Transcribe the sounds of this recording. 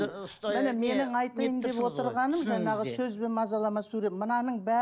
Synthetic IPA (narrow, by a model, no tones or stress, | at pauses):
mɪne̞me̞nɪŋɑjt̪əjənd̪e̞pwo̞t̪əɾʁɑnəmʒɑɴɑʁəsɵzbe̞nmɑzɑlˠɑmɑsuɾe̞mənɑnəɴbæ